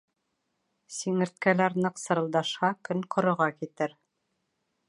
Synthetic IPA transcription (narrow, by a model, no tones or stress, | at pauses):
siŋɘ̆ɾt̪̚kælæɾnɤqsɤ̆ɾɤ̆lˠd̪ɑʃhɑkɵŋqŏɾɤ̆ʁɑkit̪ɘɾ